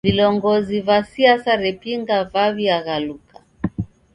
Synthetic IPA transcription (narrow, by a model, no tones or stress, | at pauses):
vilɔŋɡɔzivasiasaɾɛpiŋɡavaviaɣalukʰa